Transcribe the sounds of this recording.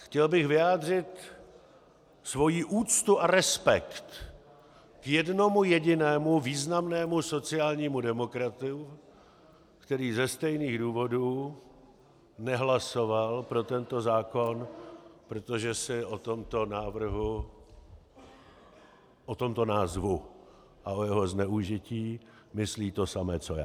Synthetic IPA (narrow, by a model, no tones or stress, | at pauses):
xcɛlbɪɣvɪjaːd̪r̝ɪt̪ | svo̞jiːʔuːt͡st̪uʔaɾɛspɛkt̪ | kjɛdno̞mujɛɟɪnɛːmuviːznamnɛːmuso̞t͡sɪaːlɲiːmudɛmo̞kɾat̪ʊ | kt̪ɛɾiːzɛst̪ɛjniːɣduːvo̞duː | nɛɦlaso̞valpɾo̞t̪ɛnt̪o̞zaːko̞npɾo̞t̪o̞ʒɛsɪʔot̪omt̪onaːvr̩ɦu | ʔot̪o̞mt̪o̞naːzvu | ʔaojɛɦo̞znɛuʒɪciː | mɪsliːt̪o̞samɛːt͡soja̰ː